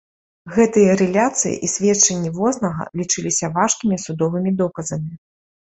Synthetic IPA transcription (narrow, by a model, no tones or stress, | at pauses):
ɣɛt̪ɨjɐɾɛlʲat̪sɨjḭʔisʲvʲɛtt͡ʂɛnʲːivɔsnɐɣɐ̰lʲit͡ʂɨlʲisʲɐvaʂkʲimʲisud̪ɔvɨmʲid̪ɔkɐzɐmʲi